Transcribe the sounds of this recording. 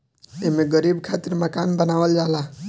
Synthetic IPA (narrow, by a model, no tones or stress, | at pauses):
emeɡəɾibkʰat̪iɾməkanbənaʋəld͡ʒala